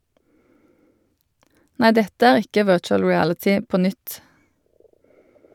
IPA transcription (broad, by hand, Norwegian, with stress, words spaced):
ˈnæɪ ˈdɛtə ˈæːʁ ˈɪkə ˈʋɜːt͡ʃəl ɹɪˈælətɪ ˈpoː ˈnʏt